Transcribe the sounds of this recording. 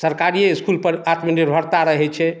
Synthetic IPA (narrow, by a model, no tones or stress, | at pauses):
səɾkaɾieiskulpəɾat̪məniɾbʱəɾt̪aɾəɦɛt͡ʃʰɛ